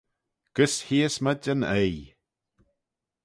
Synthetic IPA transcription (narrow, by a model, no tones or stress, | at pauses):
ɡ̥əshiːəsmədʲənej